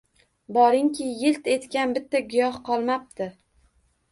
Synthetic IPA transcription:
bɒɾɪŋkʲʰɪjɪlt̪e̞t̪kʲanbɪt̪ːaɡʊjɒhqʰɒlˠmap̚t̪ʰɪ

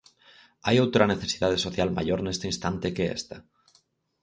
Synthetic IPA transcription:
ajowt̪ɾane̞θe̞siðað̞esoθjalma̰ʝoɾne̞st̪einst̪ant̪ekeḛst̪a

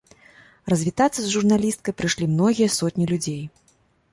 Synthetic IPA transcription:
rɐzʲvʲit̪at̪sːɐzʐurnalʲist̪̚kɐjpɾɨʂlʲimnɔɣʲijɐsɔt̪ʲnʲilʲud͡zʲej

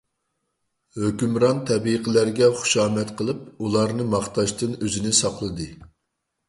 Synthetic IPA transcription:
høkʲymɾɑnt̪ʰɛbiqʰəlæɾɡʲɛχʊ̥ʃɑːmɛt̪qʰəlˠɨp̚ulˠɑɾnɨmɑχt̪ɑʃt̪ɨnøzɪnɪsɑqlˠɨd̪ɨ

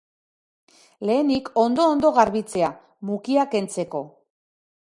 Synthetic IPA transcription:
le̞ːniko̞nd̪o̞ːnd̪o̞ɣaɾβit͡se̞a | mukiake̞nt͡se̞ko̞

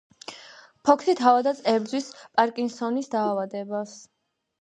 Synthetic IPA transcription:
pʰɔkʰsit̪ʰavad̪at̪sʼɛbd̪zwispʼaɾkʼinsɔnisd̪aːvad̪ɛbas

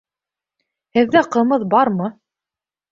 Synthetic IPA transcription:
hɘ̆ðːæqɤ̆mɤðbɑɾmɤ

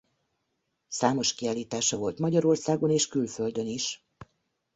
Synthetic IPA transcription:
saːmo̞ʃkiaːliːt̪aːʃɒvo̞lt̪mɒɟɒɾo̞rsaːɡo̞neːʃkylfø̞ld̪ø̞niʃ

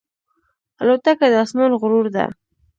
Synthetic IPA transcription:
alot̪akad̪əasmunɣʊɾuɾd̪a̰

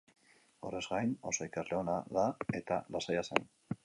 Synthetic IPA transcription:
o̞̰re̞zɡajno̞̰so̞ikazle̞o̞naðae̞t̪a̰lasajasen

